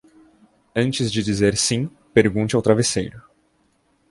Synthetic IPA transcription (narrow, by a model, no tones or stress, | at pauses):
ɐ̃nt͡ʃɪzd͡ʒɪd͡ʒizeɾsĩ | peɾɡũnt͡ʃɪawt̪ɾavesejɾʊ